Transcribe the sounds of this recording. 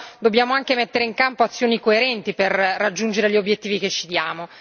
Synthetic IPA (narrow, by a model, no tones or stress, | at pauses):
d̪objaːmoaŋkemet̪ːeɾeiŋkampoat̪sːjoːnikoeɾɛnt̪iperːad͡ʒːund͡ʒeɾeʎiobjet̪ːiːviket͡ʃːid̪jaːmo